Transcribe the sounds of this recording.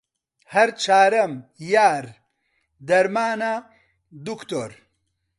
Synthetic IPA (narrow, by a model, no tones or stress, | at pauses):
hɐɾt͡ʃʰaːɾɐmjaːɾ | d̪ɐɾmaːna | d̪ukt̪o̰ːɾ